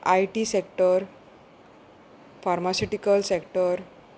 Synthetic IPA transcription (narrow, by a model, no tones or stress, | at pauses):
ajʈisekʈəɾ | faɾmasiʈikəlsekʈəɾ